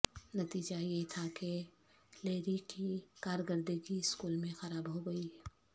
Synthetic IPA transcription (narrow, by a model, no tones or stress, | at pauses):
nɐt̪iːd͡ʒajeɦit̪ʰake | leːɾiʈʰikaːɾɡəɾd̪eɡiɪskuːlmẽxɐɾaːbɦoɡɐi